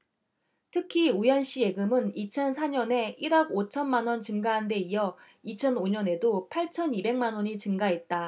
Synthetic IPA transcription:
tʰɯkʰiujʌnɕ͈ie̞ɡɯmɯnit͡ɕʰʌnsʰaɲʌne̞iɾaɡot͡ɕʰʌnmanwʌnt͡ɕɯŋɡaɦande̞ijʌ | it͡ɕʰʌnoɲʌne̞dopʰaɭt͡ɕʰʌnibe̞ŋmanwʌɲit͡ɕɯŋɡaɦe̞t̚t͈a

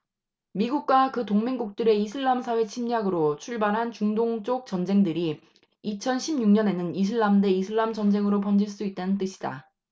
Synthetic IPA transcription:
miɡuk̚k͈wakɯtoŋmeŋɡuk̚t͈ɯɾe̞isʰɯɭːamsʰawe̞t͡ɕʰimɲaɡɯɾot͡ɕʰuɭbaɾɦant͡ɕuŋdoŋt͡ɕ͈ok̚t͡ɕʌnd͡ʑe̞ŋdɯɾi | it͡ɕʰʌnɕʰibɲuŋɲʌne̞nɯnis̬ʰɯɭːamde̞isʰɯɭːamt͡ɕʌnd͡ʑe̞ŋɯɾop̬ʌnd͡ʑiɭs͈uit̚t͈anɯnt͈ɯɕʰida̰

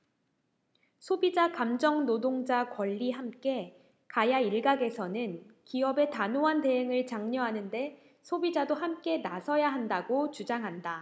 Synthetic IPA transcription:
sʰobid͡ʑakamd͡ʑʌŋnodoŋd͡ʑakwʌʎːiɦamk͈e̞ | kajaiɭɡaɡe̞sʰʌnɯnkiʌbe̞tanoɦante̞ɦeŋɯɭt͡ɕaŋɲʌɦanɯnde̞ | sʰobid͡ʑadohamk͈e̞nasʰʌjaɦandaɡot͡ɕud͡ʑaŋɦanda

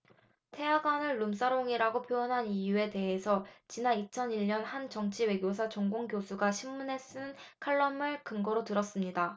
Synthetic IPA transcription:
tʰe̞jaɡwanɯɭːums͈aɾoŋiɾaɡopʰjojʌnɦanijue̞te̞ɦesʰʌt͡ɕinanit͡ɕʰʌniɭɲʌnhant͡ɕʌŋt͡ɕʰiwe̞ɡjos̬ʰat͡ɕʌŋɡoŋɡjosʰuɡaɕʰimːunɦe̞s͈ɯnkʰaɭːʌmɯɭkɯŋɡʌɾotɯɾʌs͈ɯmɲida

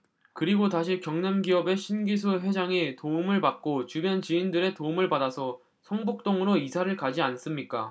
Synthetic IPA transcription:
kɯɾiɡotaɕʰikjʌŋnamɡiʌbe̞ɕʰinɡis̬ʰuɦwe̞d͡ʑaŋetoumɯɭpak̚k͈ot͡ɕubjʌnt͡ɕiːndɯɾe̞toumɯɭpadasʰʌ | sʰʌŋbuk̚t͈oŋɯɾoisʰaɾɯɭkad͡ʑians͈ɯmɲik͈a

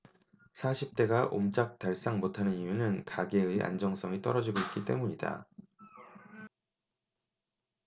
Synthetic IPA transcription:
sʰaɕʰip̚t͈e̞ɡaʔo̰mt͡ɕ͈ak̚taɭs͈aŋmotʰanɯnijunɯnkaɡe̞ɯeʔa̰nd͡ʑʌŋs͈ʌŋit͈ʌɾʌd͡ʑiɡoit̚k͈it͈e̞muɲida̰

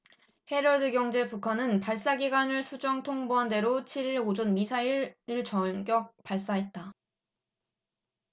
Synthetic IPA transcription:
he̞ɾʌɭdɯɡjʌŋd͡ʑe̞pukʰanɯnpaɭs͈aɡiɡwanɯɭsʰud͡ʑʌŋtʰoŋboɦande̞ɾot͡ɕʰiɾiɾod͡ʑʌnmisʰaiɭɯɭt͡ɕʌɡjʌk̚paɭs͈aɦe̞t̚t͈a

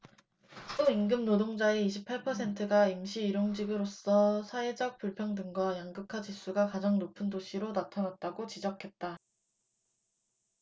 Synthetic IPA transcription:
oiŋɡɯmnodoŋd͡ʑaeiɕʰipʰaɭpʰʌsʰe̞ntʰɯɡaimɕʰiːɾoŋd͡ʑiɡɯɾos͈ʌsʰaed͡ʑʌk̚p͈uɭpʰjʌŋdɯŋɡwajaŋɡɯkʰad͡ʑis͈uɡakad͡ʑaŋnopʰɯndoɕʰiɾonatʰanat̚t͈aɡot͡ɕid͡ʑʌkʰe̞t̚t͈a

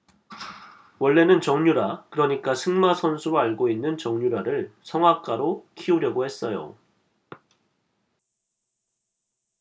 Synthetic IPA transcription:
wʌɭːe̞nɯnt͡ɕʌŋɲuɾakɯɾʌɲik͈asʰɯŋmasʰʌnsʰuɾoaɭɡoinːɯnt͡ɕʌŋɲuɾaɾɯɭsʰʌŋɦak͈aɾokʰiuɾjʌɡohe̞s͈ʌjo̰

